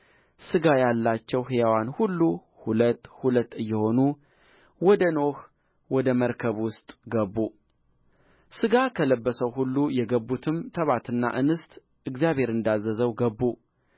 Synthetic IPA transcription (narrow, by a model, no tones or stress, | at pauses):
sɨɡajalːat͡ʃːɛwhjawanhulːu | hulət̪ːhulət̪ːɨjːɛho̞nu | wɔd̪əno̞h | wɔd̪əməɾkʰəβwʊst̪ʼɡəbːu | sɨɡakʰələbːəsəwhulːujɛɡəbːut̪ʰɨmt̪ʰəβat̪ɨnːa̰ʔɨnɨst̪ʼ | ʔɨɡzjaβhe̞ɾɨnd̪azːəzəwɡəbːu